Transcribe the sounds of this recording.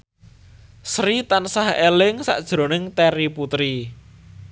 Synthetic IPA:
sɾit̪ansahelɪŋsa̰ʔd̥ʒ̥ɾo̤nɪŋt̪eɾiput̪ɾi

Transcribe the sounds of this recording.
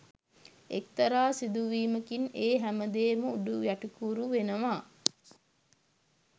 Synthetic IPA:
ek̚t̪ɐɾaːsid̪uʋiːməkineːɦæməd̪eːməuɖujæʈukuːɾuʋenəʋaː

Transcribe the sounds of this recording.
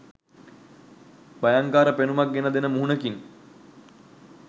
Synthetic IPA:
bajaŋkaːɾəpenumak̚ɡenəd̪enəmuɦunəkin

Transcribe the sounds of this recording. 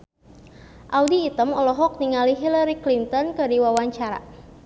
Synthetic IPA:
ʔaudiːt̪əmɔlɔɦɔk̚niŋaliɦilaɾiklint̪ɔnkədiwawaɲt͡ʃaɾa̰

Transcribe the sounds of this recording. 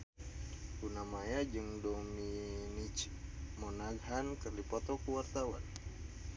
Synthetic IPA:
unamajad͡ʒɨŋdɔminit͡ʃ | mɔnaɡɦankərlipɔt̪ɔkuwart̪awa̰n

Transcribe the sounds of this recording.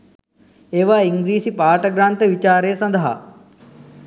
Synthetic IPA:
eːʋaːiŋɡɾiːsipaːʈɐɡɾaːnt̪ɐʋit͡ʃaːɾeːsɐ̃nd̪ʱɐɦɐ̰

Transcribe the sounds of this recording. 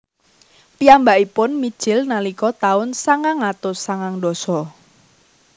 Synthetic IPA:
piambaʔipʊnmid̥ʒ̥ɪlnalikɔt̪aʊnsaŋaŋat̪ʊsaŋaŋdɔsɔ

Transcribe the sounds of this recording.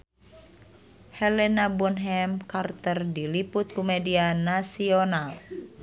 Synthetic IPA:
hɛlɛnabunɦɛmkart̪ərdiliput̪̚kumɛdianasional

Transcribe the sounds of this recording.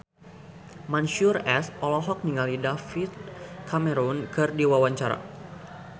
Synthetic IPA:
manʃurɛsʔɔlɔɦɔk̚niŋalidafit̪̚kʰamɛɾunkɨrdiwawaɲt͡ʃaɾa̰

